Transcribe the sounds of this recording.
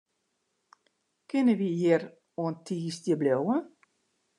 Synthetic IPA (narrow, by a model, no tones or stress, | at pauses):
kɪnəʋijɪr | oəntʰiːsdjəblowə